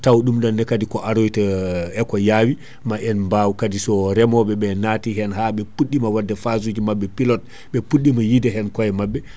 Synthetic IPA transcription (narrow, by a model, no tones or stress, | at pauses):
tawɗumɗanːɛkadikɔʔaɾojtaɛkɔjaːwi | maʔɛnmbawkadisɔɾɛmɔɓɛɓɛnatiɦɛnhaɓɛpuɗːimawadːɛfazud͡ʒimabːɛpilɔt̚ | ɓɛpuɗːimajidɛɦɛnkɔjɛmabːɛ